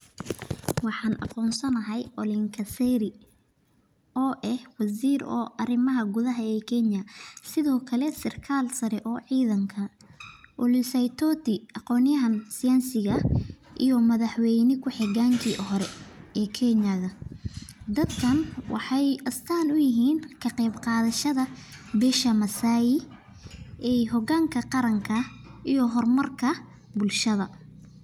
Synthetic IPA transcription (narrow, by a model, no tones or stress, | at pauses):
wɑħɑːnʔɑ̰qɔːnsɐnɐɦɐjɔlɪŋkʰɐsɛɾɪ | ɔːʔɛhwɑsiːɾɔ̰ːʔɐrɪmɐɦɐɡʊðɐɦɐɛːkʰɛnjɐsɪðɔːkʰɐlɛsɪrkʰaːlsɐɾɛʔɔːʕiːðɐŋkʰɐ | ʔʊlɪsɛjt̪ʰɔt̪ɪɑqɔːnɪjɐɦɐnsɪjansɪɣɐʔijɔmɐðɐħwɛjnɪkʰʊħɪɣaːŋkʰiːʔɦɔɾɛɛːkʰɛnɐɣɐ | d̪ɐd̪kʰɐnwʔɑ̰ħɑjʔɐst̪ʰaːlʊjɪɦiːnkʰɐqɛjbqɑːðɐʃɐðɐbɛːʃɐmɐsaːjɪ | ʔɛɦɔɣaːŋkʰɐqɑɾɐŋkʰɐʔijɔɦɔrmɐrkʰɐ | bʊlʃɐðɐ